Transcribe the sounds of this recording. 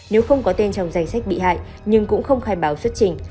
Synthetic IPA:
ne˨˦wxə˧wŋ͡mkɔ˨˦t̪e˧nt͡ɕɔ˧wŋ͡mza˨˧˩j̟sa˦˥jk̚ɓḭ˧˨ha̰ː˧˨j | ɲɨ˧ŋkʊ̰˧˥ŋ͡mxə˧wŋ͡mxaː˧˩jɓaː˨˦wswə˦˥t̚t͡ɕï˧˩ŋ̟

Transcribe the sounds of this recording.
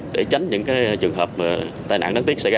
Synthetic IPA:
ɗe˧˩t͡ɕa˨˦ŋ̟ɲɨ̰˧˥ŋkaː˨˦jt͡ɕɨ˨˩əŋɦəː˨˩p̚mː˨˩t̪aː˧jna̰ː˧˨ŋɗa˨˦˥t̪i˦˥ək̚sa̰˧˩˧

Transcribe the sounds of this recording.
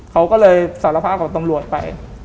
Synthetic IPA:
kʰa˦˥wkɔː˥˩lɤː˧jsaː˩˦la˧pʰaː˥˩p̚kʰɔː˩˦ŋt̪a˧mɾu˨˩ət̪̚pa̰˧j

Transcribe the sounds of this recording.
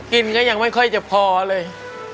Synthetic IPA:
ki˧nŋa˦˥ja˧ŋma˥˩jkʰɔ˥˩jt͡ɕa˨˩pʰɔː˧a˧lɤː˧j

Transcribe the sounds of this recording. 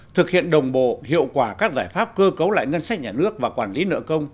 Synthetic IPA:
t̪ʰɨ˨˩k̚hḭ˧˨ənɗə˨˩wŋ͡mɓo̰˧˨hḭ˧˨əwkwaː˧˩kaː˦˥k̚zaː˧˩jfaː˦˥p̚kəː˧kə˨˦wla̰ː˧˨jŋə˧nsa˦˥k̚ɲaː˨˩nɨ˦˥ək̚vaː˨˩kwaː˧˩nli˨˦nə̰˧˨kə˧wŋ͡m

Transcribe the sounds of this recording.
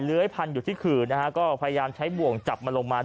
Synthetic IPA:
lɯ˦˥əjpʰa˧njuː˨˩t̪ʰiː˥˩kʰɯː˨˩na˦˥kʰa˦˥kɔː˥˩pʰa˧ja˧jaː˧mt͡ɕʰa˦˥jbu˨˩əŋt͡ɕa˨˩p̚maː˧lo˧ŋmaː˧

